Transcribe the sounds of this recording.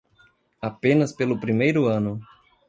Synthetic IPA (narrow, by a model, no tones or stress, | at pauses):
apẽnɐspelʊpɾimejɾʊɐ̃nʊ